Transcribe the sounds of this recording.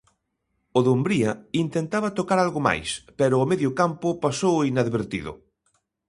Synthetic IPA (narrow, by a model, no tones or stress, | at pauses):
ʊðombɾiɐint̪ent̪aβɐt̪okaɾalɣʊma̰jspɛɾʊːmeðjʊkampʊpasowinaðβeɾt̪iðʊ̰